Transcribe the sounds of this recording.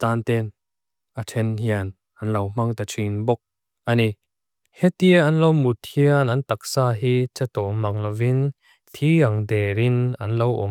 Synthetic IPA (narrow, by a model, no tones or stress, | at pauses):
taːnt̪ɛn | ʔatʰɛnhian | ʔɐnlɐwm̥ɐŋt̪at͡sʰinbɔk̚ | ʔɐni | het̪iɐnlowmut̪hianɐnt̪ak̚saːɦiːt͡sat̪ɔmɐŋlɐwin | t̪ʰiɐŋdɛɾɪnɐ̰nlowʔɔ̰m